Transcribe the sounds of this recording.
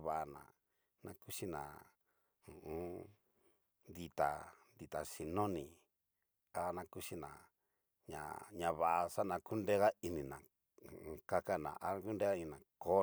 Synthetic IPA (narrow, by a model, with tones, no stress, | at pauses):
βa˧˨ʔa˨nã̰˨ | nã˧ku˦ʂi˦nã̰˨ | ũ˨ũ˦ | nd̪i˧t̪a̰˨nd̪i˨t̪a˨ʂi˧nõ˦nĩ˨ | a˦nã˧ku˦ʃi˦nã̰˨ | ɲã̰˨ɲã˧βa˨ʔa˧ʂa˦nã˧ku˦nde˦ɣa˦i˧nĩ˨nã˨ | ũ˧ka˦ka˦˨nã̰˨ʔa˦˧ku˦nde˦ɣa˦˧nĩ˧˨nã˨ko˦